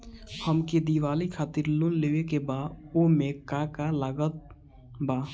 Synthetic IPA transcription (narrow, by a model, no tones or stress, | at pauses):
həmked̪iʋaːlikʰaːt̪ɪɾlʊnleːʋekebaːomẽkakalaːɡət̪̚ | baː